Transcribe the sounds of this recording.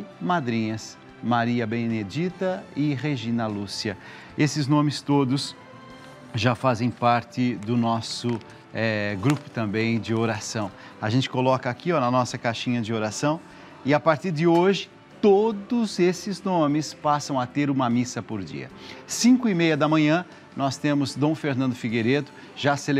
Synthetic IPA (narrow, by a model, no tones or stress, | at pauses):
mad̪ɾĩɲɐs | maɾiɐbened͡ʒit̪ɐɪʁeʒĩnɐlusiɐ | esɪznõmɪst̪od̪ʊs | ʒafazẽj̃paɾt͡ʃ̪ɪd̪ʊnɔsʊ | ɛɡɾupʊ̥t̪ɐ̃mbẽj̃d͡ʒɪoɾasɐ̃w̃ | aʒẽnt͡ʃɪ̥kolɔkɐakiɔnɐnɔsɐkajʃĩɲɐd͡ʒɪoɾasɐ̃w̃ | ɪapaɾt͡ʃ̪iɾd͡ʒɪoʒɪ | t̪od̪ʊzesɪznõmɪspasɐ̃w̃at̪eɾũmɐmisɐpoɾd͡ʒḭɐ̰sĩkʊimejɐd̪ɐmɐ̃ɲ̃ɐ̃ | nɔst̪ẽmʊzd̪õw̃feɾnɐ̃nd̪ʊfiɡeɾed̪ʊ | ʒasel